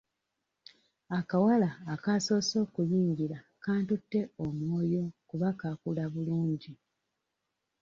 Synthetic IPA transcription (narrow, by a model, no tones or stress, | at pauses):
akawalaːkaso̞ːso̞ːkujiːɲɟiɾa | kaːntutːe̞omwo̞ːjo̞kuβakakulaβuluːɲɟi